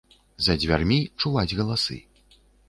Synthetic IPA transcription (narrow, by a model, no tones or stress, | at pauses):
zɐd͡zʲvʲarmʲit͡ʂuvad͡zʲɣɐlˠasɨ̰